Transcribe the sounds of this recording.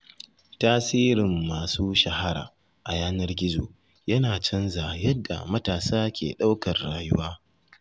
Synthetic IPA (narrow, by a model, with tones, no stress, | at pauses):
taː˦siː˦ɾɪ˨mːaː˨suː˦ʃɐ˨ha˦ɾa̰ː˨ | ʔa˨jaː˦nɐ˦rɡʲɪ˦zo̰ː˨ | jɐ˦naː˨t͡ʃɐ˦nzaː˨jɐ˦dːa̰˨mɐ˦taː˨saː˦kʲʰḛː˨ɗa˦wkɐ˨rːaː˨jʊ˦waː˦